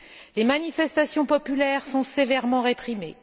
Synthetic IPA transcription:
lemanifɛst̪asjɔ̃pɔpylɛʁsɔ̃sevɛʁmɑ̃ʁepχimḛ

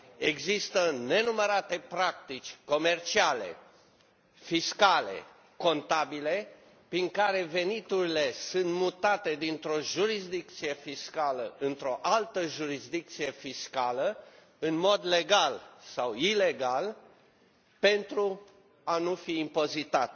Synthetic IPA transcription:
e̞ɡzist̪əne̞numəɾat̪e̞pɾak̚t̪it͡ʃʲko̞me̞rt͡ʃiale̞̰ | fiskale̞̰ | ko̞nt̪abile̞ | pɾiŋkaɾe̞ve̞nit̪uɾile̞sunt̪mut̪at̪e̞d̪int̪ɾo̞ʒuɾisd̪ik̚t̪sije̞fiskaləɨnt̪ɾo̞ʔalt̪əʒuɾisd̪ik̚t̪sije̞fiskalə | ɨnmo̞d̪le̞ɡalsawile̞ɡal | pe̞nt̪ɾu | anufiːmpo̞zit̪at̪

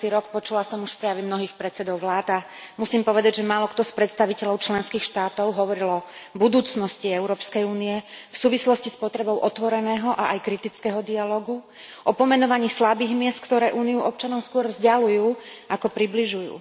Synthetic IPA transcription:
t̪iɾɔkpɔt͡ʃulasɔmuʃpɾɛjaʋɛmnɔɦiːxpɾɛt̪t͡sɛd̪ɔʊʋlaːd̪a | musiːmpɔʋɛd̪aɟʒɛmaːlɔkt̪ɔspɾɛt̪st̪aʋicɛʎɔʊt͡ʃlɛnskiːxʃt̪aːt̪ɔʊɦɔʋɔɾilɔbud̪uːt͡snɔsciɛʊɾɔːpskɛjuːniɛfsuːʋislɔscispɔt̪ɾɛbɔʊʔɔt̪ʋɔɾɛnɛːɦɔʔaʔajkɾit̪it͡skɛɦɔd̪ialɔːɡu | ʔɔpɔmɛnɔʋaɲiːslabiːɣmɪɛst̪̚kt̪ɔɾɛːʔuːniuʔɔp̚t͡ʃanɔʊskʊɔɾvzɟalujuː | akɔpɾibliʒujṵː

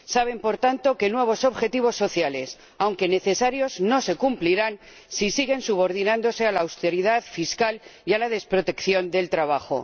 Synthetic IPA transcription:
saβ̞e̞mpo̞ɾt̪ant̪o̞ke̞nwe̞β̞o̞so̞βxe̞t̪iβ̞o̞sːo̞θjale̞s | awŋke̞ne̞θe̞saɾjo̞zno̞se̞kumpliɾan | sisiɣ̞e̞nsuβ̞o̞ɾðinãnd̪o̞se̞alawst̪e̞ɾiðaðfiskalialaðe̞spɾo̞t̪e̞kθjo̞nd̪e̞lt̪ɾaβ̞axo̞̰

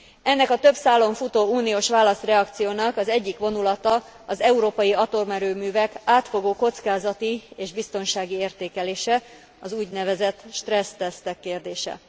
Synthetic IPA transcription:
ɛnːɛkɒt̪ø̞bsaːlːo̞ɱfut̪oːuːnioːʃʋaːlɒst̪rɛɒkt̪sijoːnɒkɒzɛɟːikʋo̞nulɒt̪ɒ | ɒzɛuɾoːpɒjiɒt̪o̞rmɛɾøːmyːvɛkaːt̪fo̞ɡoːko̞t̪skaːzɒt̪ieːʒbist̪o̞nʃaːɡieːrt̪eːkɛleːʃɛ | ɒzuːɟnɛvɛzɛt̪ːʃt̪rɛst̪ɛst̪ɛkːeːrd̪eːʃɛ̰

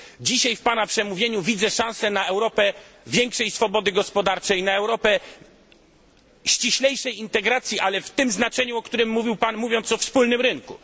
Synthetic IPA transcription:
d͡ʑiɕajfpanapʂɛmuvʲjeɲuvʲid̪zɛʂãw̃sɛnaɛwɾɔpɛvʲjɛŋkʂɛjsfɔbɔd̪ɘɡɔspɔd̪aɾt͡ʂɛjnaɛwɾɔpɛ | ɕt͡ɕiɕlɛjʂɛjint̪ɛɡɾat̪sʲjiʔalɛft̪ɘmznat͡ʂɛɲuɔkt̪uɾɘmːuvʲiwpanmuvʲjɔnt̪sɔfspulnɘmɾɘŋku

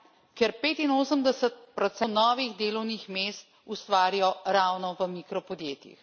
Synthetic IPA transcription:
kɛɾpeːt̪inoːsəmd̪ɛsət̪̚pɾɔt̪sɛnɔːʋiɣd̪eːlɔwnixmeːst̪ | ust̪ʋaːɾijɔɾaːwnɔʋəmikɾɔpɔd̪jeːt̪jḭx

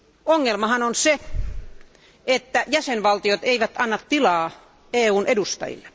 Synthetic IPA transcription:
oŋːelmɑhɑnonse | et̪ːæjæsenʋɑlt̪iot̪eiʋæt̪ɑnːɑt̪tilɑː | eːuːnʔedust̪ɑ̰jḭlːe

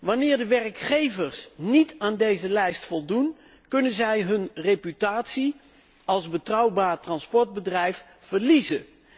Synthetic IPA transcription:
ʋɑnɪːɹdəʋɛrkχejvəɹsnitaːndejzəlɛjstfɔlˠdun | kɵnənzɛjɦɵnrejpytaːtsi | ɑlˠzbətrɑwbaːɹtrɑnspɔɹd̚bədrɛjf | fəɹlizən

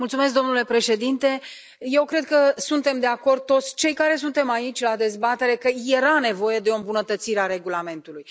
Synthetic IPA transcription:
mult̪sumesk̚d̪o̞mnule̞pɾe̞ʃe̞d̪int̪e̞ | je̞wkɾe̞d̪̚kəsunt̪e̞md̪e̞ako̞rd̪̚t̪o̞t̪sʲt͡ʃe̞jkaɾe̞s̬unt̪e̞mait͡ʃʲlad̪e̞zbat̪e̞ɾe̞kəje̞ɾane̞vo̞je̞d̪eombunət̪ət̪siɾeaɾe̞ɡulame̞nt̪uluj

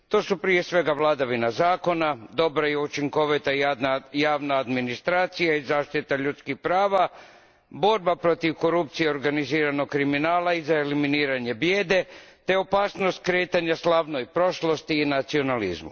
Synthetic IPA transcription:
t̪o̞ːsupɾije̞sʋe̞ɡaʋlˠad̪aʋinazaːko̞nad̪o̞bɾajeut͡ʃiŋko̞ʋit̪aajaːʋnaːd̪minist̪ɾaːt̪sijaizaːʃt̪it̪aʎut̪skixpɾaːʋa | bo̞ɾbapɾo̞t̪iʋko̞ɾupt̪sijeoɾɡaniziːɾano̞kkɾiminaːlaizaeliminiːɾaɲe̞bje̞ːd̪e̞ | t̪e̞o̞paːsnost̪̚kɾe̞ːt̪aɲaslaʋnojpɾo̞ʃlo̞st̪iːnat̪sio̞nalḭzmṵ

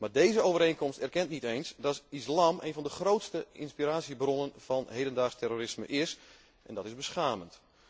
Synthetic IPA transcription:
maːrdeːjzəowvəɾejnkɔmstɛrkɛntnitejnsdɔtislaːmḛjnvɑndəxrowtstəɪnspiraːsjibrɔnənfɑnɦejdəndaːrstɛroːɾɪsmə̰ʔɪs | ʔɛ̰ndɔtɪzbəsχaːmənt

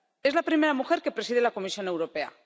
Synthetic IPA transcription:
e̞zlapɾime̞ɾamuxe̞ɾke̞pɾe̞sið̞elako̞misjo̞ne̞wɾo̞pe̞a̰

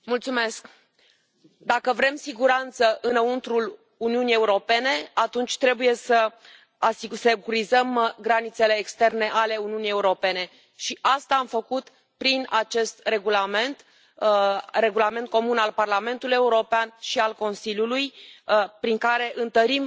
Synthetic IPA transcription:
mult̪sume̞sk | d̪akəvɾe̞msiɡuɾant̪səʔɨnəunt̪ɾul | uniunije̞uɾo̞pe̞ne̞at̪unt͡ʃʲt̪ɾe̞buje̞sə | asise̞kuɾizəmɡɾanit̪se̞le̞ːkst̪e̞rne̞ʔale̞uniunije̞uɾo̞pe̞ne̞ | ʃiʔast̪aamfəkut̪ | pɾinat͡ʃe̞st̪re̞ɡulame̞nt̪ | re̞ɡulame̞nt̪̚ko̞munalparlame̞nt̪uluje̞uɾo̞peanʃialko̞nsilʲjulujpɾiŋkaɾe̞ʔɨnt̪əɾim

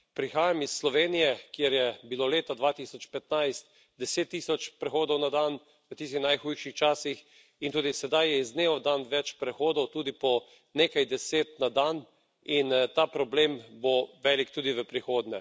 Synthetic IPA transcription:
pɾixaːjamisːlɔʋeːnijɛkjɛɾjɛbiloleːt̪ad̪ʋaːt̪isɔt͡ʃpɛt̪najst̪̚ | d̪ɛseːt̪ːiːsɔt͡ʃpɾɛxoːd̪ɔwnad̪an | ʋət̪is̬t̪ixnajxujʃixt͡ʃaːsix | int̪uːd̪isɛd̪ajjɛizneːʋɔd̪anʋɛt͡ʃpɾɛxoːd̪ɔwt̪uːd̪ipɔ | nekajd̪ɛseːt̪nad̪an | int̪aːpɾɔblemboʋɛlikt̪uːd̪iʋəpɾixoːd̪nɛ

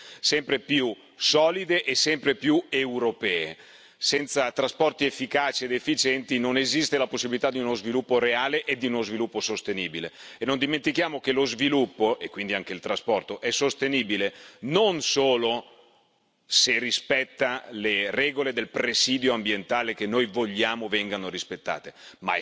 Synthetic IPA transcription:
sɛmpɾepju | sɔːlid̪eʔesɛmpɾepjuewɾopɛːḛ | sɛnt̪sat̪ɾaspɔrt̪iefːikaːt͡ʃied̪efːit͡ʃɛnt̪inonezist̪elaposːibilit̪ad̪iunozvilupːoɾeaːleʔed̪iunozvilupːosost̪eniːbilḛenːond̪iment̪ikjaːmok̟elozvilupːoʔekːwind̪iaŋk̟eilt̪ɾaspɔrt̪oʔɛsost̪eniːbilenonsoːlo | serispɛt̪ːalerɛːɡoled̪elpɾesiːd̪joambjent̪aːlek̟enːojvoʎːaːmovɛŋɡanoɾispet̪ːa̰ːt̪ema̰

